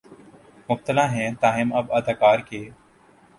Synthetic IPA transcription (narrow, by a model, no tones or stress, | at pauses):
mʊb̚t̪əlãːɦɛ̃ːt̪aːɦɪməbəd̪ʱakaːɾkeː